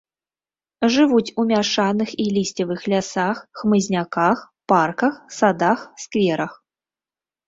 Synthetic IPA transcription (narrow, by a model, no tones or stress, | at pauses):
ʐɨvut͡sʲumʲaʂanɨxilʲisʲtʲɐvɨxlʲasaxxmɨzʲnʲakax | parkɐxsad̪axskvʲɛɾɐx